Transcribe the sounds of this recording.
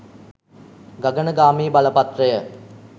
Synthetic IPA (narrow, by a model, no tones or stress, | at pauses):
ɡaɡənəɡaːmiːbaləpat̪rəjə